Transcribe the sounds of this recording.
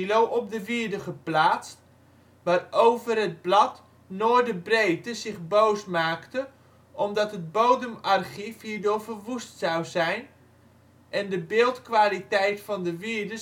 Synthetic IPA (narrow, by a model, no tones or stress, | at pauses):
lowʔɔp̚dəʋiːɹdəχəplaːt͡st | ʋaːrowvərɦəd̚blɑt | noːjdəbrejtəzɪχbowsmaːktə | ʔɔmdɑtɦət̚bowdəmarχifhiːɹdʊɹvərʋustsɑwzɛjn | ʔɛndəbɪːlˠtkʋaːlitɛjtfɑndəʋiədə